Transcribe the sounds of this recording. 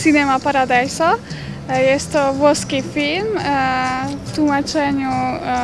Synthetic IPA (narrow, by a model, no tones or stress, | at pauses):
sinɛmapaɾad̪ajsɔ | jɛst̪ɔʋɔskifilm | t̪umat͡ʃɛɲu